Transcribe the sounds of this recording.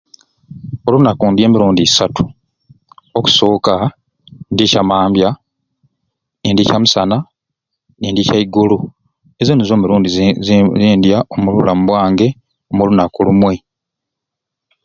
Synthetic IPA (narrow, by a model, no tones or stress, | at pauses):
o̞lunakundje̞ːmiɾuːndisatu̥ | oku̥so̞ːka | ndicamaːmbja | niːndicamusana | niːndicaiɡulu | ezonizo̞ːmuɾuːndiziːndjaomululamuβwaːŋɡe̞ | omulunakulumwe